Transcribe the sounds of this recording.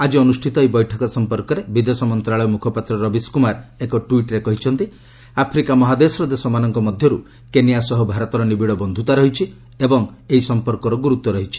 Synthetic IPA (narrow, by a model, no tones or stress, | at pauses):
ad͡ʒiɔnusʈʰit̪ɔibɔjʈʰɔkɔsɔmpɔɾkɔɾebid̪esɔmɔnt̪ɾaɭɔjɔmukʰɔpat̪ɾɔɾɔbiskumaɾekɔʈuiʈɾekɔɦit͡ʃʰɔnt̪i | apʰɾikamɔɦad̪esɾɔd̪esɔmanɔŋkɔmɔd̪ʱjɔɾu | kenijasɔɦɔbʱaɾɔt̪ɔɾɔnibiɽɔbɔnd̪ʱut̪aɾɔɦit͡ʃʰi | ebɔŋeisɔmpɔɾkɔɾɔɡuɾut̪ːɔɾɔɦit͡ʃʰi̥